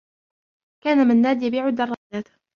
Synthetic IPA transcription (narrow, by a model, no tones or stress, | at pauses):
kaːnamɪnːaːd̪jabiːʕʊd̪ːɑrˤːɑːd͡ʒaːt̪